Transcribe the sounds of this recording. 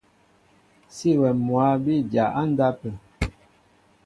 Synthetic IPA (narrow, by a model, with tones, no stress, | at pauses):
si˦wɛ˨mwa˨˦bi˦˨d͡ʒja˨ʔa˦n̩˦da˦pə˨